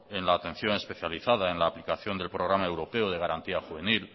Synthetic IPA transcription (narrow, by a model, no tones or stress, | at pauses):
e̞nlaːt̪e̞n̟θjone̞spe̞θjaliθað̞ae̞nlaːplikaθjo̞nd̪e̞lpɾo̞ɣ̞ɾamaewɾo̞pe̞oð̞e̞ɣ̞aɾant̪iaxuβe̞nil